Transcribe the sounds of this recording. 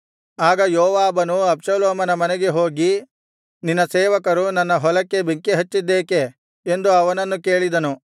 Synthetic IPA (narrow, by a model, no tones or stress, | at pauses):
aːɡɐjɔːʋaːbɐnuɐbʃɐloːmɐnɐmɐnɛɡe̞ɦo̞ːɡi | ninːɐseːʋɐkɐɾunɐnːɐɦɔlɐkːe̞bʱiŋkeɦɐt͡ʃːid̪ːeːke̞ː | nd̪uɐʋɐnɐnːuke̞ːɭid̪ɐnu